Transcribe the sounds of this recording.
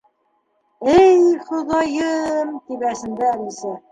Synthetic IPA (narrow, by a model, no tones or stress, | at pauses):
ɘjχŏðɑjɤmt̪ipæsɘ̆nd̪ɘælisæ